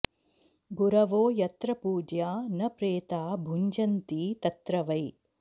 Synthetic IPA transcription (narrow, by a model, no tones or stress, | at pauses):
ɡuɾɐʋoːjɐt̪ɾɐpuːd͡ʒjaːnɐpɾeːt̪aːbʱuɲd͡ʒɐnt̪iːt̪ɐt̪ɾɐʋɐj